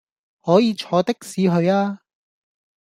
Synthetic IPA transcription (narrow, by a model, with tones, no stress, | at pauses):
hɔː˨˥jiː˨˧t͡ʃʰɔː˨˧t̪ɪ˥k̚siː˨˧ɦɵ˧ɥaː˥